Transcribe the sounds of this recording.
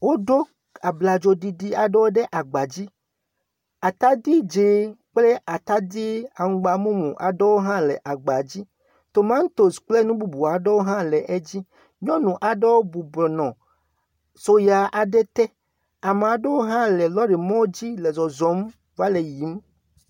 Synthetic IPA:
wo˦ɖo˦ | a˨bla˨d͡ʒo˨di˨ɖi˦a˨ɖe˦wo˦ɖe˦ʔa˨ɡ͡ba˨d͡ʑi˦ | a˨t̪a˦d̪i˦d͡ʒe˨˦k͡ple˦ʔa˨t̪a˦d̪i˦a˨ŋ̩˦ɡ͡ba˨mũ˦mṵ̃˨ʔa̰˨ɖe˦wo˦ɦã˦le˨ʔa˨ɡ͡ba˨d͡ʑi˦ | t̪o˨mã˦ŋ̩˦t̪o˨sk͡ple˦nũ˦bu˨bu˨a˨ɖe˦wo˦ɦã˦lɛ˨ʔe˦d͡ʑi˦ | ɲɔ̃˦nũ˨ʔa˨ɖe˦wo˦bu˨bɔ˨nɔ̃˨ | so˦ja˨ʔa˨ɖɛ˦t̪ɛ˦ | a˨me˨a˨ɖe˦wo˦ɦã˦le˨lɔ˦ɖe˨mɔ̃˦wd͡ʑi˦le˨zɔ˨zɔ˨˦m | va˦le˨ji˨˦m

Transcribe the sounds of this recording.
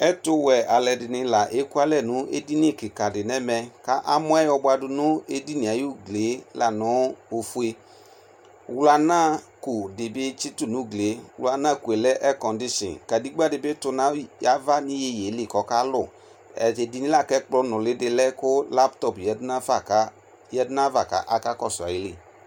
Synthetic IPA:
ɛ˦tʊ˧wɛ˨a˨lɛ˨dɪ˨nɪ̃˧la˨ʔe˨˦ku˦a˦lɛ˦˨nũ˨˦ḛ˦di˦ni˦˨ki˨ka˨dɪ˨nɛ˦mɛ˧ka˦ʔa˦mɔ̃˦ɛ˦jɔ˧ba˧du˧nʊ̃˦e˧di˦nĩ˨a˨˦ju˦˨ɡle˨˦la˨nɔ̃˨˦o˧fu˧e˧˦ | wla˧nã˦˨ | ku˨de˨be˦t͡ʃi˦tu˦˨nũ˨˦˨ɡle˨˦wla˧na˦˨ku˨e˨lɛ˦ʔɛ˦kɔ˨ndi˦ʃḭ˨n˨ka˨di˨˦ɡ͡ba˦˨dɪ˧be˦tʊ˧na˦ja˨˦va˦ni˦je˧˨je˨˦li˦˨kɔ˨ka˦lʊ˦˨ | ɛ̰˨e˧di˧ni˦la˦˨kɛ˦k͡plɔ˦˧nʊ˨lɪ˨˦dɪ˧lɛ˦kʊ˦la˦ptɔ˦˨pjɛ˨˦dna˦fa˦˨ka˦ | jɛ˦dna˦va˨ka̰˨ʔa˧ka˦kɔ˦˨sa̰˨ji˨˦li˦˨

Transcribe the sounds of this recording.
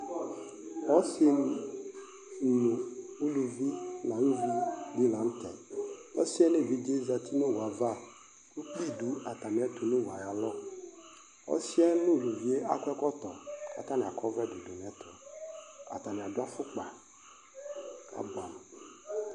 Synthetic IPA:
ɔ˦se˦n˨ | nũ˨u˦lu˨vi˦la˨n˦vi˦di˦la˨n̩˦t̪ɛ̰˨ɔ˦si˦ɛ˦nẽ˦˨vi˦d͡ʒe˦za˨t̪ʰi˦ne˦˨wo˨a˨va˦˨ | nu˦k͡pli˦˨du˨˦a˨t̪a˨mĩ˨a˦t̪u˨ne˦˨wa˨ja˨lɔ˦ | ɔ̰˦si˦ɛ˦nũ˦˨lu˨vi˦e˦ʔa˦kʊ˦ɛ˦kɔ˦t̪ɔ˨ka̰˨t̪a˦nĩ˨a˨kɔ˦vɛ˦˨do˨do˨m˨ɛ˦t̪ɔ˨a̰˨t̪a˨mĩ˨a˨dʊ˦a˦fʊ˦k͡pa˨ | a̰˨ba˨m˨

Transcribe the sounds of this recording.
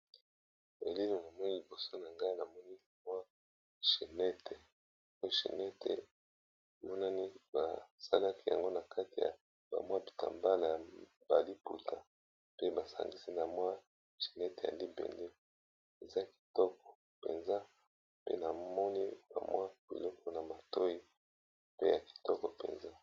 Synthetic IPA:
e˨li˦lo˨na˨mwa˦˨li˨bo˨so˦na˨ŋɡa˦i˦na˨mɔ˦ni˦˨mwa˦ | ʃi˨nɛ˦tʰe˨ | o˦jo˦ʃḭ˨nɛ˦tʰḛ˨ | mɔ˦na˦ni˦ba˨sa˦la˦ki˦ja̰˨ŋɡo˦na˨ka˦ti˨ja̰˨ | ba̰˨mwa˦bi̥˨ta̰˨mba˦la˨ | b̥a˨li˦pu˨tʰa˨ | pe˦ba˨sa̰˨ŋɡi˦si˦na˨mwa˦ | ʃi̥˨nɛ˦te˨ja̰˨li˦bɛ̰˨nde˦ | e˨za˦ki̥˨tɔ˦k̚ɔ̥˨ | pḛ˨nza˦ | pḛ˦na˨mɔ˦ni˦b̥a̰˨mwa˦b̥ḭ˨lɔ˦kɔ˦na˨ma˨to˦i˦ | pe˦ja˨ki̥˨tɔ˦kɔ˨pḛ˨nza˦

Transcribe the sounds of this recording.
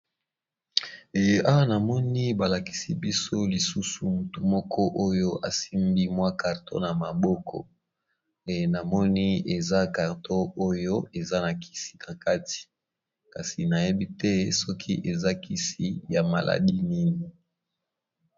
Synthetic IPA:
a˦wa˦na˨mɔ˦ni˦ba˨la˨ki̥˨si˦bi˦so˦li˨su˦su˨mu˨tu˨mɔ˦kʰɔ˦ʔo˦jo˦ʔa˨si˦mbi˦mwa˦ka˨ʁtʰo̰˦na˨ma˨bɔ˦kʰɔ̰˨ | na˨mɔ˦ni˦e˨za˦ka˨ʁtʰo˦o˦jo˦e˨za˦na˨ki̥˨si̥˦na˨ka˦ti̥˨ | ka˨si˨na˨je˦bi˦tɛ˦sɔ˦kʰḭ˦ʔe˨za˦ki˦si˦ja˨ma̰˨lʔa̰˨di˦ni˦ni˨

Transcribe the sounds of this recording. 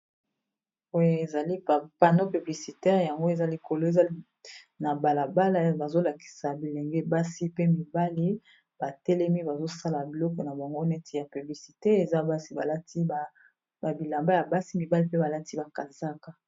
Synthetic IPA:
o˦je˦e˨za˨li˦a˨pa˨no˦py˨bli˨si˨tɛ˦ʁja˨ŋɡo˦e˨za˦li˨ko˨lo˦e˨za˦ | na˨ba˨la˨ba˦la˦ba˨zo˦la˨ki̥˨sa˨bi˨le˨ŋɡe˦ba˦si˦pe˦mi˨ba˦li˦ | b̥a˨tɛ˦lɛ˦mi˦ba˨zo˦sa˦la˨bi˨lɔ˦kɔ˨na˨bo˨ŋɡo˦nɛ˦ti˨ja˨py˨bli˨si˨te˦e˨za˦ba˦si˦ba˨la˦ti˦a˨ | a˨bi˨la˨mba˦ja˨ba˦si˦mi˨ba˦li˦pe˦ba˨la˦ti˦ba˨ka˨za˦ka˨

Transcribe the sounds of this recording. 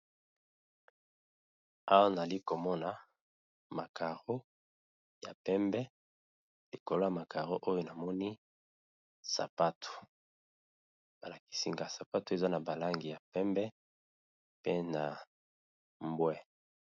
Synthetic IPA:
a˦wa˦na˨zli˦ko˨mɔ˦na˨ | ma˨ka˨ʁo˦ | ja˨pɛ˦mbɛ˦ | li˨ko˨lo˦ja˨ma˨ka˨ʁo˦ʔo˦jo˦na˨mɔ˦ni˦ | sa̰˨pa˦tʰo̥˨ | b̥a˨la˨ki̥˨si˦ŋɡa˨sa˨pa˦to˨e˨za˦na˨ba˨la˦ŋɡi˨ja˨pɛ˦mbɛ˦ | pe˦na˨ | mbwɛ˦

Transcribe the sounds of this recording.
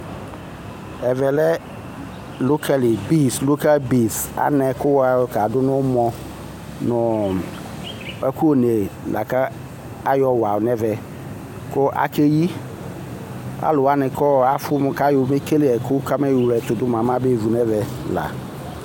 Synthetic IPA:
ɛ˨vɛ˨lɛ˦ | lo˦kʰa˦˨li˨bi˦slo˦ka˦lbi˨sa̰˨˦nɛ˨kʊ˦wa˨˦˨ka˨dʊ˦nʊ˦mɔ˨ | nʊ˨ | a˦ku˦o˦ne˨lʔa̰˨ka˦ | a˦jɔ˦wa˨nɛ˦vɛ˨ | kʊ˦ʔa̰˨kʰe˦ji˦ | a̰˦lʊ˨wa˦nɪ˨kɔ˦a˦fʊ˦m˨ka˦jʊ˨˦me˦ke˦li˦ɛ˨kʰʊ˦ka˦mɛ˦jlɛ˨t̪ʊ˨dʊ˦mã˨mã˦be˦˨vu˨nɛ˦vɛ˨ | la̰˨

